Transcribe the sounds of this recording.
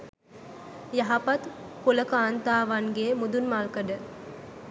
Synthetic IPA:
jaɦɐpɐt̪koləkaːnt̪aːʋanɡeːmud̪unmalkəɖə

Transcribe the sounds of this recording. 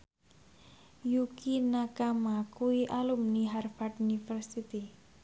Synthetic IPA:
jukinakamakuiʔalumniɦarfaʈunifərsit̪i

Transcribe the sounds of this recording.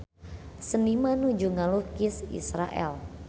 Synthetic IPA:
sənimanud͡ʒuŋalukisḭsɾa̰ʔɛ̰l

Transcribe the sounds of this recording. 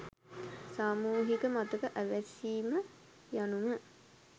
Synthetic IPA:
saːmuːɦikəmat̪ukəʔæʋæsiːmə | janumə

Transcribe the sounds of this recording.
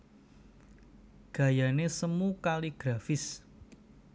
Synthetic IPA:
ɡ̥ä̤janesəmukaliɡ̥ɾafɪs

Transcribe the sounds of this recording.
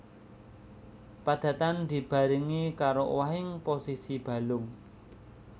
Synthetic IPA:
pad̪̥ä̤t̪and̪̥i̤b̥a̤ɾiŋikaɾo̰waɦɪŋposisib̥ä̤lʊŋ

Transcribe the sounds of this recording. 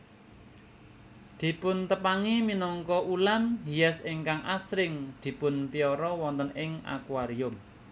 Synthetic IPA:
d̪̥i̤pʊnt̪əpaŋiminɔŋkɔʔulamɦijɛsɪŋkaŋʔasɾɪŋd̪̥i̤pʊnpiɔɾɔwɔnt̪ənɪŋa̰kwaɾiʊm

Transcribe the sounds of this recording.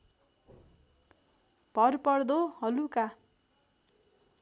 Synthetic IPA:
b̥ʱʌrpʌrd̪ohʌluka

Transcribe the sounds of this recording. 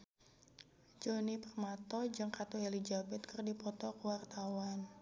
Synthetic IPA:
d͡ʒonipərmat̪ɔd͡ʒɨŋkat̪uelid͡ʒabɛt̪̚kɨrdipɔt̪ɔkuwart̪awan

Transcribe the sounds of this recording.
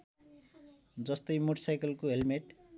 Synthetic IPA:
d͡zʌst̪ʌjmoʈʌsajkʌlkoɦelmeʈ

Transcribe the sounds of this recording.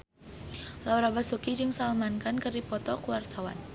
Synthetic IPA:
lawɾabasukid͡ʒɨŋsalmankankɨrdipɔt̪ɔkəwart̪awa̰n

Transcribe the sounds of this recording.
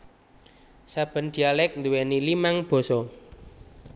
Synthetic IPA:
sab̥ə̤nd̪̥ialɛk̚nd̪uwɛnilimaŋb̥ɔ̤sɔ

